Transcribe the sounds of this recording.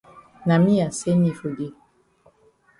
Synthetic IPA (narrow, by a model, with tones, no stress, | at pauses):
na˨mi˦a˨se˦ni˨fo˨ɡi˦